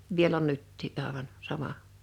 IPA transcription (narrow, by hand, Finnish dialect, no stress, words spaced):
ʋiel on nytːiː ʔɑˑeʋɑn sɑmɑ